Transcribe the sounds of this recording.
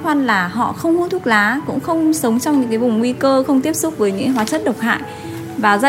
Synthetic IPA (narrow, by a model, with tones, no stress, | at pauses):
waː˧nlaː˨˩ɦɔ̰˧˨xə˧wŋ͡mhu˨˧˦t̪ʰu˦˥t̚laː˨˦kʊ̰˧˥ŋ͡mxə˧wŋ͡msə˨˦wŋ͡mt͡ɕɔ˧wŋ͡mɲɨ̰˧˥ŋkaː˨˦jvʊ˨˩ŋ͡mŋwi˧kəː˧xə˧wŋ͡mt̪i˦˥əp̚sʊ˦˥k͡p̚vəː˨˦jɲɨ̰˧˥kɦwaː˨˦t͡ɕə˦˥t̚ɗə˨˩wk͡p̚ha̰ː˧˨j | vaː˨˩za˧